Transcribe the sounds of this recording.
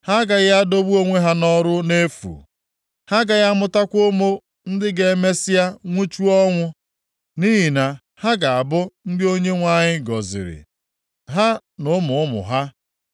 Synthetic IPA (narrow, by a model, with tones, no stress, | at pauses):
ha˦ɡa˨ɣa˦do˦bu˦o˦ŋʷe˦ɦa˦nɔ˦ɾʊ˦ne˦fṵ˨ | ha˦ɡa˨ja˦mʊ˦ta˦kʷʊ˦mo˦ | n̩˦dɪ˦ɡe˨˦me˦sɪ˦ja˦ŋʷu˦t͡ʃu˦ɔ˦ŋʷʊ˦ | niː˦ɦi˨na˨ | ha˦ɡa˨a˨bʊ˦n̩˦dɪ˦o˦ɲe˦ŋʷa˦˨ɲɪ˦ɡɔ˨zɪ̰˨ɾɪ̰˨ | ɦa˦ | nʊ˨˦mʊ˨ʊ˦mʊ̰˨ɦa˦